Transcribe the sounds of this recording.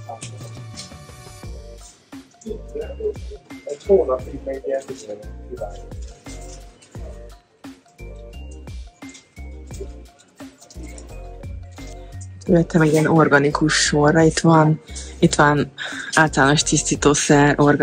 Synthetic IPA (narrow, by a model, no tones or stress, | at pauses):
ɛhoːnɒpipɛɡɛiɛibaː | ølɛt̪ʰːɛmɛɟiɛnorɡɒnikuʃːorːɒit̪ʋɒnit̪ʋɒnaːlt̪ɒlaːnoʃt̪ist̪iːt̪oːsɛrʔorɡ